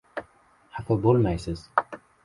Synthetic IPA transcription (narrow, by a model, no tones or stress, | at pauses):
hafabolmajsɪz̥